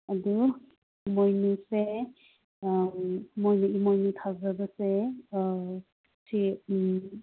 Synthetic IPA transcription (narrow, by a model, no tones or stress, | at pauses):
adu | mɔjnuse | mɔjnuimɔjnutʰazadase | sʰe